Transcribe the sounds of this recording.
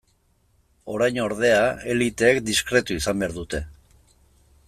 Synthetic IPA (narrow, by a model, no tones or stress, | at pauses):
o̞ɾajɲo̞ɾð̞e̞ae̞lit̪e̞ːkd̪iskɾe̞t̪uisambe̞aɾðut̪e̞